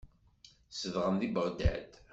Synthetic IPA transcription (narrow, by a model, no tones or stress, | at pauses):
səðʁəmðibəɾd̪æ̰d̪